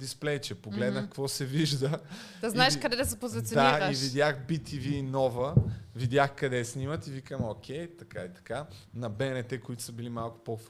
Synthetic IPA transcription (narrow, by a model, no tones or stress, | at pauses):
d̪isplɛjt͡ʃɛpoɡlɛd̪nəkkvɔsɛviʒd̪ə | d̪ɐznaɛʃkɐd̪ɛd̪ɐs̬ɛpozvɛt̪sɛd̪aiivid̪ʲjaxbit̪iviːnɔvəvid̪ʲjaxkɐd̪ɛsnʲimət̪ivikəmokʰʲɛjt̪ɐkait̪ɐ̥kanɐbɛnɛt̪ɛkʊit̪ʊ̥səbilimalˠkʊ̥pof